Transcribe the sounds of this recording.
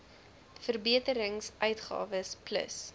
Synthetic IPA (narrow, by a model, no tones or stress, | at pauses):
fərbiətəɾəŋsʔœɥtχɑ̰ːvəsplə̰s